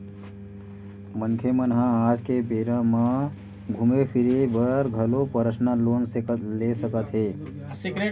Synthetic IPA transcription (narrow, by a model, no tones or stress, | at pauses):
mənkʰemənɦãaːd͡ʒkebeːɾãmã | ɡʱumepʰiɾebəɾɡʱəlopəɾəsnaloːnsekət̪lesəkət̪ɦeː